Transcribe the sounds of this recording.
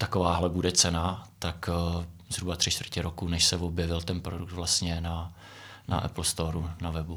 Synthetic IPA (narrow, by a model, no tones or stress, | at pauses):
t̪akovaːɦlɛbudɛt͡sɛnat̪akzɦɾubat̪r̥ɪt͡ʃt̪vr̩cɪɾokunɛʃsɛvobjɛvɪlt̪ɛnpɾodukt̪vlast̪ɲɛna | na̰ʔɛ̰pl̩st̪oɾunavɛbu